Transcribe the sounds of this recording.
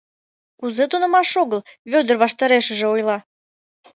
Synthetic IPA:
kuzet̪unə̆mɑʃoɣəlβʲød̪ərβɑʃt̪ɑɾeʃə̆ʒeojlɑ

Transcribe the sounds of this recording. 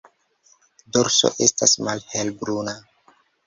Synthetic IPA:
doɾso̰ʔe̞stasmalhelbɾuna

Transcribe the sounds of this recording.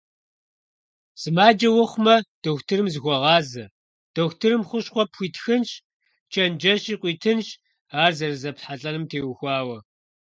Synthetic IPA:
z̥ɨmaːd͡ʒɐwɐχʷʊmɐd̥oxʷtʰɨrɨmzɨɣʷɔʁɑːzɐ | d̥oxtʰɨɾɨmχʷʊɕχʷɔpxʷiːtxɨnɕ | t͡ʃʰʼɐnd͡ʒɐɕiːqʷiːtʰɨnɕ | aːrzɐrɨzɐpħaɬʼɐnɨmtʰeːwxʷɑːwɐ

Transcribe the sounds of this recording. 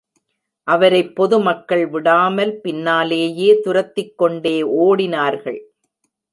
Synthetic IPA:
ʔɐʋɐɾɐɪpːɔðɯmɐkːɐɭʋɪɽaːmɐlpɪnːaːleːjeːt̪ʊɾɐt̪ːɪkːɔɳɖeːʔoːɽɪnaːɾɣɐɭ

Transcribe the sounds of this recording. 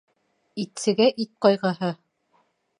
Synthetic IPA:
it̪sɘ̆ɡæʔit̪̚qɑjʁɤɦɤ

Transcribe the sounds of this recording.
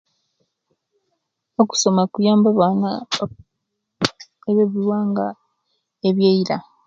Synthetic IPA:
oku̥so̞makujaːmbaβaːna | eβe̞βiɾwaːŋɡa | eβjeiɾa

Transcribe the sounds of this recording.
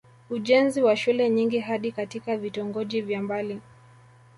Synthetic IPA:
uʄɛnziwaʃulɛɲiŋɡiɦaɗikatikavitɔŋɡɔʄivjambali

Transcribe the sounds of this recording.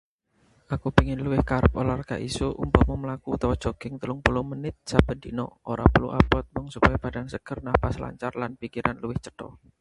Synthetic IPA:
ʔakupiŋɪnluwɪhkaɾəpolarka̰ʔisuʔṵmpɔmɔməlakut̪awɔdd͡ʒ̥oɡ̥ɪŋt̪əlʊŋpulumənɪt̪̚sab̥ə̤dinɔ̰ʔoɾa̰puluʔa̰pɔt̪̚bʊŋsupajab̥adaŋsəɡ̥ərnahpasla̰ɲt͡ʃarlanpikiɾʔanluwɪht͡ʃəd̥ɔ̰

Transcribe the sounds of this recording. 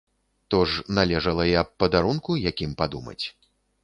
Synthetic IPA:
t̪ɔʐnalʲɛʐɐlˠɐjɐpːɐd̪aɾunkujakʲimpad̪umɐ̰t͡sʲ

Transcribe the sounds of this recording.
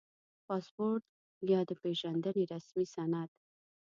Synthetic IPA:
pɑspoɾt̪̚ | jɑd̪əpeʒand̪əneɾasmisanat̪

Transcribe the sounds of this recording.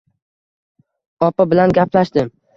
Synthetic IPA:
ɒpabɪlanɡʲaplaʃd̪ɪm

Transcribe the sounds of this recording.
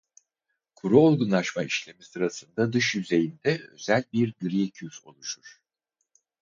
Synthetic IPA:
kʰuɾuo̞lˠɡunlˠaʃmaiʃlʲe̞misɯɾasɯnd̪ad̪ɯʃjyze̞jind̪ɛø̞̰zælʲbiɾd̪ɾiecʰyfo̞̰lˠuʃuɾ̥

